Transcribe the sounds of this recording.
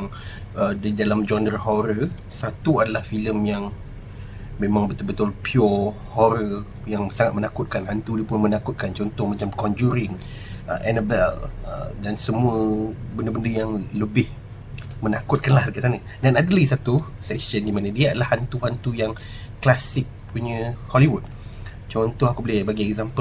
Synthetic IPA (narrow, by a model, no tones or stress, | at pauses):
ŋ | ədidalamd͡ʒɔndərɦɔɾə | sat̪uadalahfiləmjaŋ | mẽmãŋbət̪ʊlbət̪ʊlpʰiɔ | hɔɾə | jaŋsaŋat̪̚mənakʊt̪̚kanɦant̪udiəpʊnmənakʊt̪̚kant͡ʃɔnt̪ɔhmãt͡ʃamkɔnd͡ʒuɾɪŋ | ə̰ʔɛnəbɛlə̰dansəmũəbəndəbəndəjaŋləbɪh | mənakʊt̪̚kanlahdəkat̪sanə | danadəlaɡisat̪u | sɛk̚ʃəndimanədiadəlahant̪uhant̪ujaŋ | klasɪk̚puɲə̃hɔliwud̚ | t͡ʃɔnt̪ɔhakubəlɪbaɡiɛɡzampə